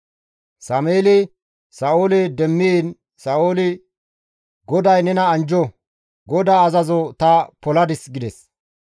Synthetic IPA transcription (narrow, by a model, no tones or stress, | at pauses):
sɐmeːlɪ | sɐʔoːlɪd̪ɛmːin | sɐʔoːlɪ | ɡɔd̪ɐjnɛnɐːnd͡ʒɔ | ɡɔd̪aːzɐzɔt̪ɐpɔlɐd̪ɪsɡɪd̪ɛs